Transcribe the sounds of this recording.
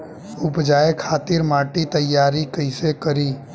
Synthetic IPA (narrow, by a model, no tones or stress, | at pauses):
ʊpd͡ʒaːekʰaːt̪ɪɾmaːʈit̪əjːaːɾikəɪsekəɾiː